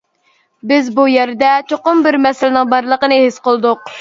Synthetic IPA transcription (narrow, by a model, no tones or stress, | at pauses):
bɪzbujɛɾd̪ɛt͡ʃʰoqʊmbɪɾmɛsɪlɪnɪŋbɑɾlˠəqənɨhɪsqəlˠd̪ʊq̚